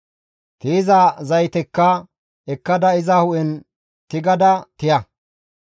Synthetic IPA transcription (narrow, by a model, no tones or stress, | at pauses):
t̪iːzɐzɐjt̪ɛkːɐ | ɛkːɐd̪ɐɪzɐhʊʔɛn | t̪ɪɡɐd̪ɐt̪ɪjɐ